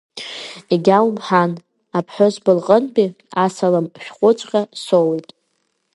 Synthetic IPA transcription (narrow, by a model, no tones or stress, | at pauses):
iɡʲawmħan | apʰħʷᶣozbɨlqʼənbʼi | asalampʰʃᶣχʷʼʊt͡ʃʷʼqʲʼasowjtʼ